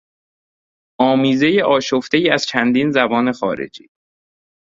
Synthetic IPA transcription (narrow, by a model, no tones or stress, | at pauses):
ɒːmiːze̞je̞ʔɒːʃoft̪ejiːæz̥t͡ʃʰænd̪iːnzæbɒːne̞xɒ̰ːɾḛd͡ʒḭː